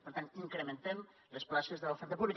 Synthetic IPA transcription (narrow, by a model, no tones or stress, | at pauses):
pəɾt̪aniŋkɾəmənt̪ɛm | ləsplaʃəzðələfɛɾt̪əpuβlik